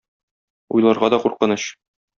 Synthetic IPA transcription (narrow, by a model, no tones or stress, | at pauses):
ujlˠɑɾʁɑd̪ɒquɾqɤ̆nɤɕ